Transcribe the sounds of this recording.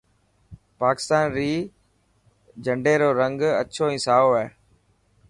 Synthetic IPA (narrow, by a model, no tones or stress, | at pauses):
paːkɪ̥st̪aːnɾiː | d͡ʒəɳɖeːɾoːɾə̃ŋɡə̰tːʃʰoːĩːsaːoɛː